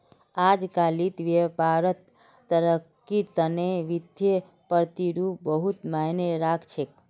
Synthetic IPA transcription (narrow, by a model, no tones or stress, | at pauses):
ad͡ʒkalit̪ʋepaɾət̪ː | əɾəkːiɾt̪əneʋid̪ʱje | pəɾt̪iɾup̚bəɦut̪maneɾakʰt͡ʃʰek̚